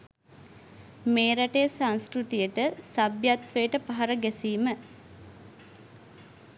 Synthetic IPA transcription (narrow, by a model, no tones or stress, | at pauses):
meːɾaʈejəsanskɾut̪ijəʈəsabjat̪ʋejəʈəpaɦaɾəɡæsiːmə